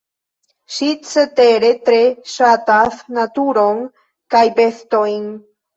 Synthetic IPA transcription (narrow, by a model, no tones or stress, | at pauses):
ʃit͡set̪eɾet̪ɾeʃat̪asnat̪uɾoŋ | kajbest̪ojn